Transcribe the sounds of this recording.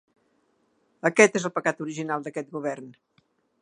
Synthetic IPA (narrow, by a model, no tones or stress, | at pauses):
əkɛt̪ezəlˠpəkat̪uɾiʒinalˠd̪əkɛt̪̚ɡuβɛrn